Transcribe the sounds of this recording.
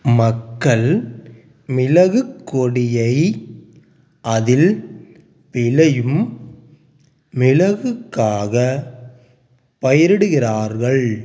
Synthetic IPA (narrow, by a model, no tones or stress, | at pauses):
mɐkːɐɭ | mɪlɐɣɯkːɔɽɪjɐɪ | ʔɐðɪl | pɪlɐjɯm | ɪlɐɣɯkːaːɣɐ | pɐjɐɾɪɽɯɣɪraːɾɣɐɭ